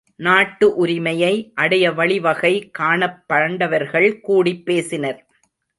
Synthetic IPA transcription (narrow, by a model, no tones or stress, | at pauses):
naːʈːɯʔʊɾɪmɐjɐɪʔɐɽɐjɐʋɐɭɪʋɐɣɐɪkaːɳɐpːɐɾɐɳɖɐʋɐɾɣɐɭkuːɽipːeːsɪnɐɾ